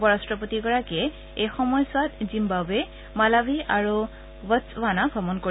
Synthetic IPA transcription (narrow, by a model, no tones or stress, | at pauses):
bɔɹastɹɔpot̪iɡɔɹakɛ | ejxɔmɔjswat̪zimbabɛ | malabʱiʔaɹu | bəswanabʱɔmɔnko